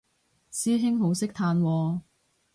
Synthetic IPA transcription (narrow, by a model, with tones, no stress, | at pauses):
siː˥ɦɪ˥ŋɦo˨˥wsɪ˥k̚t̪ʰaː˧nwɔː˨˧